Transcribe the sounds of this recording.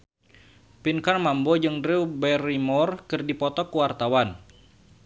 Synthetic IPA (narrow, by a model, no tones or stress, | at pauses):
pinkarmambod͡ʒɨŋdɾiwbɛrimɔrkɨrdipɔt̪ɔkuwart̪awan